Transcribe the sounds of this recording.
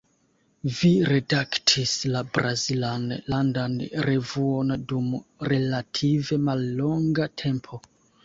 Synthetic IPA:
viɾe̞daktʰislabɾʔazilanlandanɾe̞vuo̞ndumɾe̞latʰive̞malːo̞ŋɡatʰe̞mpʰo̞

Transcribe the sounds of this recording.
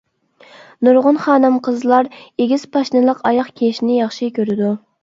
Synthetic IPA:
nuɾʁʊnχɑːnɨmqʰəzlˠɑɾeɡʲiz̥pʰɑʃnɨlˠəqɑjɑχkʲʰeʃnɪjɑχʃikʲʰøɾɪd̪u

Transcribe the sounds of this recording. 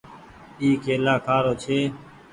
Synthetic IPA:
iːkeːlaːkʰaːɾoːt͡ʃʰeː

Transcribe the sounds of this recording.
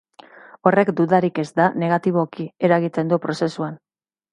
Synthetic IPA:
o̞re̞kd̪uðaɾike̞zd̪ane̞ɣ̞at̪iβ̞o̞kie̞ɾaɣ̞it̪e̞nd̪upɾo̞se̞suan

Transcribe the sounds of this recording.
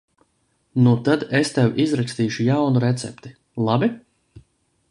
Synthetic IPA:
nut̪ad̪est̪ɛwʔizɾakst̪iːʃujawnuɾet̪sɛ̰pt̪i | lˠabi

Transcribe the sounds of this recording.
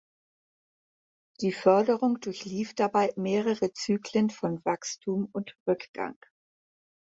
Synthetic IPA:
d̥iːfœɐdəʁʊŋd̥ʊɐçliːfd̥abaɪmeːʁ̞əʁət͡syːklənfɔnvakstʰuːmʊntʁʏkɡ̥a̰ŋ

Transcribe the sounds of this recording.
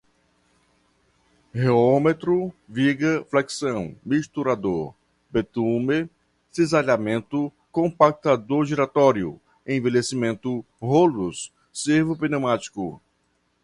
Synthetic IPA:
heomet̪ɾʊviɡɐflɛksɐ̃w̃miʃt̪uɾad̪oɾ | bet̪ũme | sizaʎamẽnt̪ʊ | kõpak̚t̪ad̪oɾʒiɾat̪ɔɾjʊ̰ | ẽj̃velesimẽnt̪ʊ | ɦolʊsː | eɾvʊpinemat͡ʃi̥kʊ

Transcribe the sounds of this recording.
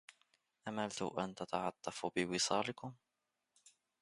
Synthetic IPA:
ʔamalt̪ṵʔant̪at̪ɑʕɑt̪ˤːɑfubɪwɪsˤɑːlɪkʊm

